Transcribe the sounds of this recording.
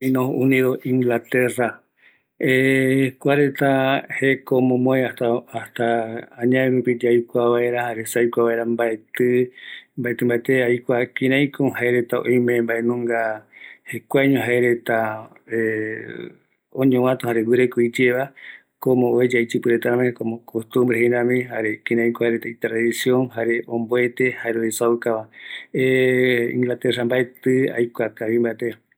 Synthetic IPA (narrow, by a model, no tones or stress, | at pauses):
inõunĩðoʔĩŋɡlat̪era | ekʷaɾe̞t̪ahekomõmõeat̪aast̪aãɲãẽɾupid͡ʒajkʷaβaeɾahaɾesajkʷaβaeɾambaet̪ɨmbaet̪ɨmbaet̪eajkʷakĩɾ̃ãj̃kohaeɾet̪ao̰j̃mẽmbaenũŋɡahekʷaɲõɦaeɾe̞t̪a | e | õɲõw̃ãt̪ohaɾewɨɾekoid͡ʒeβa | kõmõoed͡ʒajt͡ʃɨpɨɾet̪aɾamẽkomõkʰost̪ũmbɾeheɾãmĩhaɾe̞kĩɾ̃ãj̃kõhaeɾet̪ait̪ɾaðisjõŋhaɾe̞ʔõmboe̞t̪ehaeɾoesaukaβaeḭ̃ŋɡlat̪eɾambaet̪ɨa̰jkʷakaβĩmbaet̪e